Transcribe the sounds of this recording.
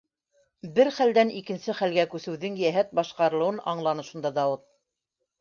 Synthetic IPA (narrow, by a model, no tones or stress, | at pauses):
bɘɾχæld̪ænikɘ̆nsɘχælɡækʉsɘ̆wðɘŋjæɦæt̪̚bɑʃqɑɾɤ̆lˠɤ̆wɤnɑɴlˠɑnɤʃund̪ɑd̪ɑwɤt̪̚